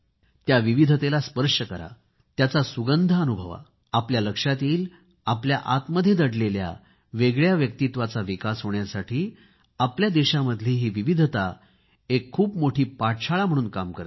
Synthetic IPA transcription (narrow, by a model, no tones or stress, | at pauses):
t̪jaʋiʋid̪ʱət̪elaspəɾʂəkəɾa̰ | t̪jat͡sasuɡənd̪ʱaənubʱəʋa̰ | apljaləkʂat̪iːl | apljaʔat̪məd̪ʱjed̪əɽlelja̰ | ʋeɡɭjaʋjək̚t̪it̪ʋat͡saʋikasɦoɳjasaʈʰiː | apljad̪eɕaməd̪ʱleɦiːʋiʋid̪ʱət̪a | ekʰːuːpmoʈʰiːpaʈt͡ɕʰaɭam̤əɽ̃uːnkamkəɾ